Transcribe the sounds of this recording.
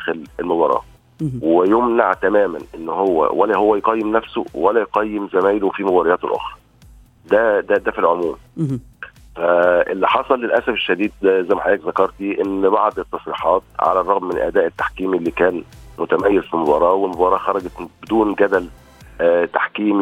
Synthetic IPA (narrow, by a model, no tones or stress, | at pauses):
d̪æːxɪlelmobɑːɾˤɑ̰ː | wejomnaʕt̪æmæːmænʔenːhowːæ̰wælæɦowːæjqɑjːemnæfso̰wælæjqɑjːɪmzæmæːjlofiːmobɑɾejæːt̪lʔo̰xɾˤɑ̥ | d̪æd̪æd̪æfilʕomuːm | fæʔḛlːiħɑsˤɑlːelʔæsæfeʃːæd̪iːd̪̚zæjmaħaʔiːkzɑkɑɾˤt̪iʔenːbɑʕd̪et̪ːɑsˤɾiːħɑːt̪̚ʕa̰lærˤɑɣmːɪnʔæ̰d̪æːʔet̪ːḁħkiːmlːikæːnmʊt̪æmæjːezfilmobɑɾˤɑːwelmobɑːɾˤɑːxɑɾˤɑɡæt̪bed̪uːnɡæd̪æl | t̪aħkiːm